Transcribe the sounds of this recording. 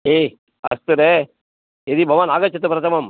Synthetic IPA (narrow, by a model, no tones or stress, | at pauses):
e | ɐ̰st̪ɨɾe | ed̪ibʱɐʋaːnaːɡɐt͡ʃːɐt̪ːɯpɾɐt̪ɐmam